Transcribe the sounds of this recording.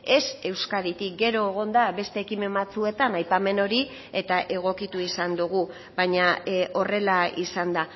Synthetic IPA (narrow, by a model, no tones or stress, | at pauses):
e̞se̞wskaɾit̪ik̚ɡe̞ɾo̞eɣ̞o̞nd̪aβe̞st̪e̞ːkime̞mbat͡sue̞t̪anajpame̞no̞ɾi | e̞t̪aʔe̞ɣ̞o̞kit̪uisand̪uɣu | baɲaʔo̞re̞laisand̪a